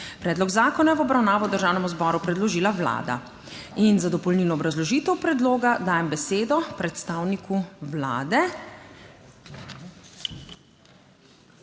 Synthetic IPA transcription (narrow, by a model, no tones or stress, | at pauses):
pɾɛːd̪lɔɡzaːkɔnajɛʋɔbɾawnaːʋɔwd̪əɾʒaːwnɛmuzbɔɾupɾɛd̪lɔʒiːlawla̰ːd̪a̰ | inzad̪ɔpɔlninɔːbɾazlɔʒiːt̪ɛwpɾɛd̪loːɡad̪aːjɛmbɛseːd̪ɔpɾɛt̪st̪aːwnikuwla̰ːd̪ɛ